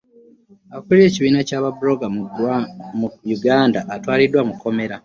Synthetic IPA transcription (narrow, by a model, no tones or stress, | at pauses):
akulje̞ːciβiːnacaːβabuɾo̞ɡa | juɡaːndaʔːtwaːlidwamukːo̞me̞ɾa